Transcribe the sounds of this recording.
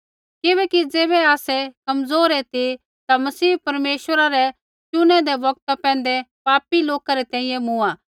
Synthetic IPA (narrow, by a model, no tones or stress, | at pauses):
kɪbɛːkid͡zeːβɛaːsɛkɐmzoːɾɛt̪i | t̪amɐsiːpɐɾmeːʃʋəɾaɾɛ | t͡ʃʊñɛ̃d̪ɛʋɐɡ̚t̪apɛ̃ːnd̪ɛpaːpiloːkaɾɛt̪ɛ̃ːĩjɛ̃mʊaː